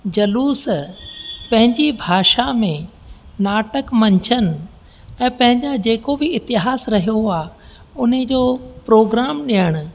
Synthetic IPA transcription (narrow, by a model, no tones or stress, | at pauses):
d͡ʑɐluːs | pɐ̃ɦɪ̃ɲd͡ʑibʱaːʃamẽ | naːʈəkmɐ̃ɲt͡ɕʰənɪ̆ | ɛ̃ːpɐ̃ɦɪ̃ɲd͡ʑad͡ʑeːkobɪɪt̪ɪɦaːsɾɐɦijoaː | ʊnəd͡ʑoːpɾoːɡɾaːmɗijəɽ̃ʊ̆